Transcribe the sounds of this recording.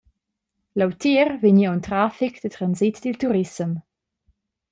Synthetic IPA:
lawt̪iɾvəɲiawnt̪ɾafikd̥̪ətɾanzit̪d̪ilt̪uɾisəm

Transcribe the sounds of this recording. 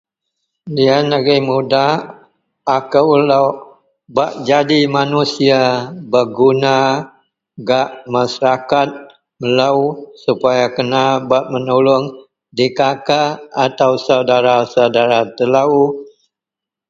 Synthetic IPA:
dianaɡimuda | akəwlaw | baʔd͡ʒadimanusiabəɡuna | ɡaʔmasaɾakat̪̚ | məlausupajakənabaʔmənulʊŋ | dikakaːt̪awsawdaɾasawdaɾat̪əlau

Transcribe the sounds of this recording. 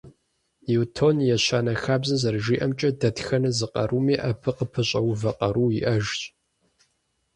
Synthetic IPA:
jiwtʰonjɛɕaːnɐxaːbzɐzɐrʒiːʔɐmt͡ʃʼɐdɐtxɐnɐzɨqʼɐ̰ruːmeːʔɐpʰɨqəpʰɨɕʼɐwʊvɐqʼɐɾuːjḭʔɐʒɕʼ

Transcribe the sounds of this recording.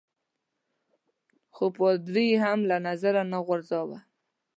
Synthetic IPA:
xopod̪ɾiɦamlanazaɾanaɣaɾzɑwa̰

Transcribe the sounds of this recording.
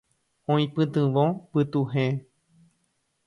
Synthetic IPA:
õĩpɨ̃t̪ɨ̃ʋõpɨt̪uɦẽ

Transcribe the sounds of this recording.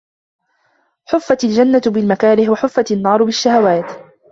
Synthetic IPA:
ħʊfːat̪ald͡ʒanːat̪bɪlmakaːɾɪħwaħʊfːat̪anːɑːɾˤbɪʃːahawaːt̪

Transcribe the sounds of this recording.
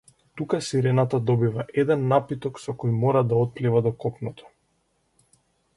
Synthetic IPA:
t̪ukasiɾɛnat̪ad̪ɔbivaʔɛd̪ɛnːapit̪ɔksɔkɔjmɔɾad̪aɔt̪̚plivad̪ɔkɔpnɔt̪ɔ̥

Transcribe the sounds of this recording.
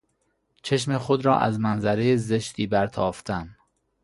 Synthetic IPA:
t͡ʃʰeʃ̬mexod̪ɾɒːʔæ̰zmænzæɾe̞jeze̞ʃt̪iːbæɾt̪ʰɒːft̪ʰæn

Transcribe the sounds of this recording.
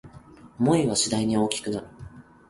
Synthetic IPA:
mo̞iβaɕid̪aiɲ̟io̞ːkʲi̥kɯ̟naɾɯ̟

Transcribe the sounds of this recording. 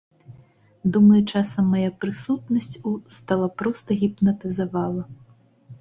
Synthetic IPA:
d̪umɐjut͡ʂasɐmːajapɾɨsut̪̚nɐsʲt͡sʲust̪alˠapɾɔst̪ɐɣʲipnɐt̪ɨzavalˠɐ

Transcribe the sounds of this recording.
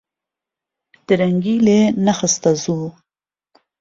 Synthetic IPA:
d̪̥əɾaŋɡilenaxəst̪azu

